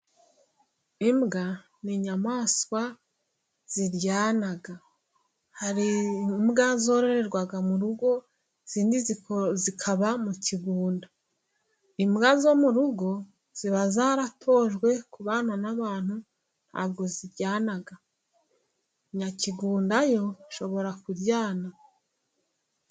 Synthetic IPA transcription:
imɡa | niɲamaːswa | z̥iɾɟaːnaɡa | haɾimɡazoɾeɾeɾɡwaɡamuɾuɡo̞ | z̥iːndizizikʰaβamuciɡuːnda | imɡazo̞muɾuɡo̞ | z̥iβazaɾatʰo̞ːʒɡwe̞kuβaːnanaβaːn̥hu | n̥ha̰ːbɡo̞ziɾɟaːnaɡa | ɲaciɡuːndajo̞ʃo̞βo̞ɾakuɾɟaːna

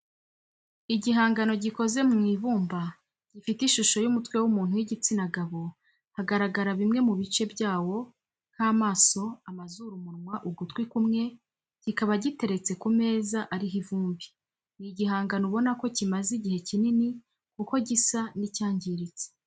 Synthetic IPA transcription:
iɟiɦaːŋɡano̞ɟiko̞ze̞mŋiːvuːmba | ɟ̥ifitiʃuʃo̞jumutwe̞wumuːn̥hujiɟit͡sinaɡaβo̞ | haɡaɾaɡaɾaβimŋe̞muβit͡ʃe̞bjaːwo̞ | kʰaːmaːso̞amazuɾumuɾmwaʔuɡutwikumŋe̞ | ɟ̥ikaβaɟite̞ɾe̞t͡se̞kume̞ːzaʔaɾiɦivuːmbi̥ | niɟiɦaːŋɡanoβo̞nako̞cimaziɟihe̞cinini | kuko̞ɟisanicaːɲɟiɾit͡se̥

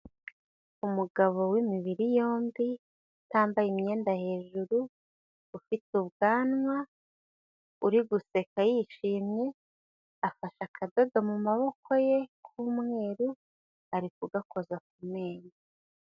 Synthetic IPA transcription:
umuɡaβo̞wimiβiɾijo̞ːmbi | taːmbajimɲe̞ːndahe̞ːʒuɾuː | fituβɡaːnŋwa | uɾiɡuse̞kajiʃiːmɲe̞ | afaʃakʰazaɡamumaβo̞kʰo̞je̞kʰuːmŋe̞ːɾu | aɾikuɡako̞zak̚ume̞ːɲa

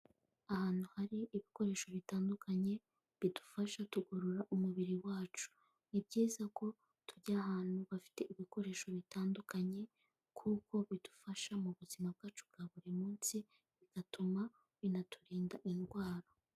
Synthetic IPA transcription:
ahaːn̥huhaɾiːβiko̞ɾe̞ːʃo̞βitaːndukʰaɲe̞ | βidu̥faʃatuɡoɾoɾaʔumuβiɾiwaːt͡ʃu̥ | nibɟiːzako̞ | tuɟahaːn̥huβafi̥te̞ʔiβiko̞ɾe̞ːʃo̞βitaːndukaɲe̞ | kʰuko̞βidu̥faʃamuβuzimab̚ɡaːt͡ʃubɡaβuɾimuːnsi | βiɡatʰuma | βinatʰuɾiːndaʔinɡwaːɾo

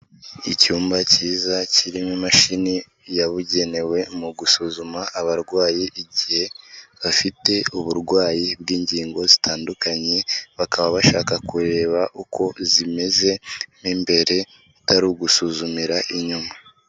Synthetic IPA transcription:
icuːmbaciːzaciɾimimaʃini | jaβuɟe̞ne̞we̞muɡusuzumaʔːβaɾɡwaːjiʔiɟihe̞βafite̞uβuɾɡwaːjibɡiːɲɟiːŋɡo̞zitʰaːndukaɲe̞βakaβaβaʃaːkakuɾe̞ːβaʔukʰo̞zime̞ze̞nimbe̞ɾe̞ | taɾuɡusuzumiɾaʔiɲuma

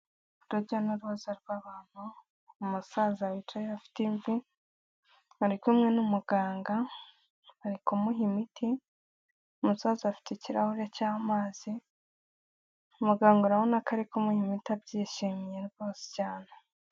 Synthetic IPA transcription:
uduɾɟonuɾuβazaɾɡwaβaːn̥u | umusaːzawit͡ʃajeafi̥tiɱvi | aɾikumŋe̞numuɡaːŋɡa | aɾikumuɦimiti | umusaːzafi̥teciɾa̰huɾecaːmaːz̥i | umuɡaːŋɡoɾaβonakʰaɾikumuhimitiab̚ɟiːʃimijeɾbo̞ːsi̥caːne

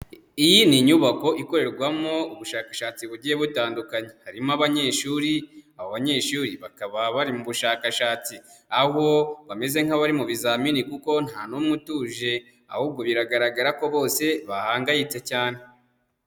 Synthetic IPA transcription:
ijiniɲuβako̞ʔiko̞ɾe̞ɾɡwamo̞uβuʃaːkḁʃaːt͡siβuɟije̞βutaːndukaɲe̞haɾimaβaɲe̞ːʃuːɾiaβoβaɲe̞ːʃuːɾiβakaβaβaɾimuβuʃaːkaʃaːt͡si | aho̞βame̞ze̞ŋ̥haβaɾimuβizaminikuko̞n̥hanumŋutuːʒe̞ | a̰huːb̚ɡo̞βiɾaɡaɾaɡaɾakoβo̞ːse̞βahaːŋɡajit͡se̞caːne̞

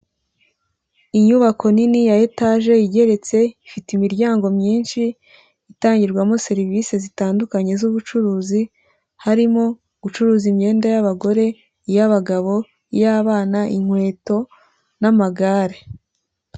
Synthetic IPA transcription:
iɲuβako̞ninijajetaːʒe̞jiɟe̞ɾe̞t͡se̞ifitimiɾɟaːŋɡo̞mɲiːnʃiː | taːɲɟiɾɡwamo̞se̞ɾivise̞zitaːndukaɲe̞zuβut͡ʃuɾuːzi | haɾimo̞ | ɡut͡ʃuɾuːzimɲe̞ːndajaβaɡo̞ɾe̞ | ijaβaɡaβo̞ | ijaːβaːnaʔiŋ̥hwe̞ːto̞ | namaɡaːɾe

